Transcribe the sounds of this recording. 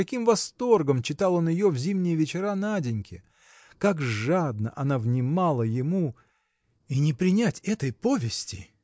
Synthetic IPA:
ɐkʲimvɐst̪o̞rɡəmt͡ɕɪt̪alˠo̞njɪjovzʲimnʲɪjəvʲɪt͡ɕɪɾanadʲɪnʲkʲɪ | kakʐad̪nəʔɐnavnʲɪmalˠəjɪmu | inʲɪpɾʲɪnʲætʲɛt̪əjpo̞vʲɪsʲtʲɪ

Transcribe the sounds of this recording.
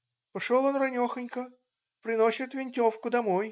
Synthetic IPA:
pɐʂolˠonrɐnʲoxənʲkə | pɾʲɪnosʲɪt̪vʲɪnʲtʲo̞fkʊd̪ɐmoj

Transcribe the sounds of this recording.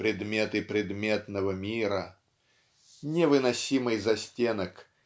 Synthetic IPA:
pɾʲɪd̪mʲet̪ɨpɾʲɪd̪mʲet̪nəvəmʲiɾə | nʲɪvɨnɐsʲimɨjzɐsʲtʲenək

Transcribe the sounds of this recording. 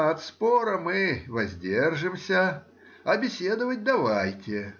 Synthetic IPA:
ɐt̪spoɾəmɨvɐzʲdʲerʐɨmsʲə | ɐbʲɪsʲed̪əvət̚ʲd̪ɐvajtʲɪ

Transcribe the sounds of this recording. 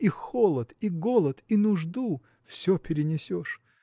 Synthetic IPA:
ixolˠət̪iɡolˠət̪inʊʐd̪u | fsʲɵpʲɪɾʲɪnʲɪsʲoʂ

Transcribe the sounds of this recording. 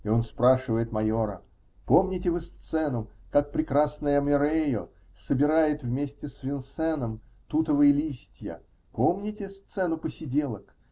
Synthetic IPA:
ɪo̞nspɾaʂɨvəjɪt̪mɐjo̞ɾə̰ | po̞mnʲɪtʲɪvɨst̪sɛnʊkak̚pɾʲɪkɾasnəjəmʲɪɾejo | səbʲɪɾajɪt̪vmʲesʲtʲɪsvʲɪnsɛnəm | t̪ut̪əvəjəlʲisʲtʲjə̰ | po̞mnʲɪtʲɪst̪sɛnʊpəsʲɪdʲelˠək

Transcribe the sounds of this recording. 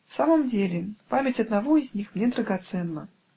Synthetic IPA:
fsaməmdʲelʲɪpamʲɪtʲɐd̪navɔizʲnʲixmnʲed̪ɾəɡat̪sɛnːə

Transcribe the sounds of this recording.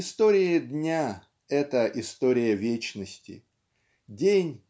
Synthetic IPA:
ɪst̪o̞ɾʲɪɪd̪ʲnʲa | ɛt̪əʔɪst̪o̞ɾʲɪjəvʲet͡ɕnəsʲtʲɪ̰ | dʲenʲ

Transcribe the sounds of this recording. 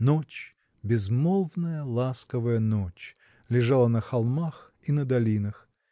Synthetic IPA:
not͡ɕ | bʲɪzmolˠvnəjəlˠaskəvəjənot͡ɕ | lʲɪʐalˠənəxalˠmax | inəd̪ɐlʲinəx

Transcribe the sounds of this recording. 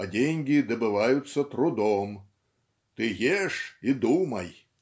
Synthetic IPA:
ɐd͡zʲenʲɡʲid̪ɐbɨʋajut̪sːɐt̪ɾud̪ɔm | t̪ɪɣʲɛʂid̪umɐj

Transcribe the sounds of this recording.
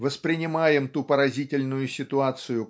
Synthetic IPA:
vəspɾʲɪnʲɪmajɪmt̪upəɾɐzʲitʲɪlʲnʊjʊsʲɪt̪ʊat̪sɨjʊ

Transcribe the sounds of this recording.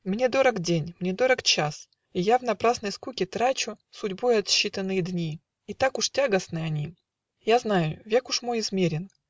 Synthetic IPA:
mnʲed̪o̞ɾəkdʲenʲmnʲed̪o̞ɾəkt͡ɕas | ijavnɐpɾasnəjskukʲɪt̪ɾat͡ɕʊ | sʊdʲbojɐt̪ɕːit̪ənːɨjɪd̪nʲi | it̪akʊʂtʲaɡəsnɨɐnʲi | jaznajʊvʲe̞kʊʂmo̞jɪzmʲeɾʲɪn

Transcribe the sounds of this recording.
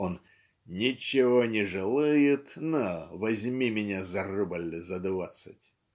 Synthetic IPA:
on | nʲɪt͡ɕːɪvonʲɪʐɨlˠɨjɪt̪novɐzʲmʲimʲɪnʲazɐrɨbəlʲzɐd̪vat̪sɨtʲ

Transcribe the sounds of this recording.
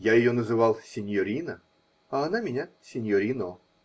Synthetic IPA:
jajɪjonəzɨvɑlˠsʲɪnʲjɔɾʲinə | ɐɐnamʲɪnʲasʲɪnʲjɔɾʲino

